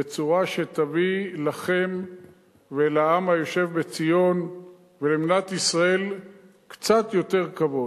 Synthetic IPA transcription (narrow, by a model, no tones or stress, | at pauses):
et͡suʁaʃet̪avilaχe̞m | velaamhajo̞ʃe̞vbet͡sijo̞n | veleminat̪isʁae̞l | kt͡sat̪jo̞t̪e̞ʁkavo